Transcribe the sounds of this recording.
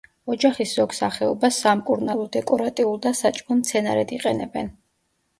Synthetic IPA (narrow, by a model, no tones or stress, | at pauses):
ɔd͡ʒaχisz̥ɔɡsaχɛɔbasːamkʼuɾnalˠɔd̪ɛkʼɔɾat̪ʼiulˠd̪asat͡ʃʼkɔmt̪sʰɛnaɾɛd̪iqʼɛnɛbɛn